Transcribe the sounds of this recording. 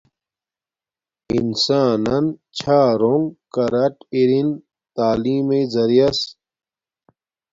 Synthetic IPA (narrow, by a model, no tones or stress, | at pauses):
insaːnɐnt͡ɕʰaːɾoŋɡkɐɾɐʈiɾin | t̪aːliːmezɐɾijɐs